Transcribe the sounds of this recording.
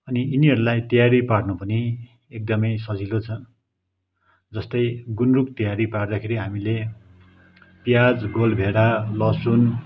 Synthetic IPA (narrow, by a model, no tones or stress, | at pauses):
ʌniiniɦʌɾulajt̪ʌjaɾipaɽnʌpʌni | ek̚d̪ʌmʌjsʌd͡zilot͡sʰʌ | d͡zʌst̪ʌjɡunruk̚t̪ʌjaɾipard̪akʰeɾiɦamile | pjad͡zɡolbʱeɽalʌsun